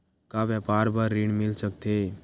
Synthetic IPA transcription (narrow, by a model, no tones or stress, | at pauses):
kaʋjəpaːɾbəɾːiɽmɪlsək̚t̪e